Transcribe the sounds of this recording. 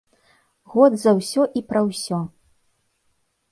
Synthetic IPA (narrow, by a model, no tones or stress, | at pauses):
ɣɔd̪zɐwsʲɔʔipɾɐwsʲɔ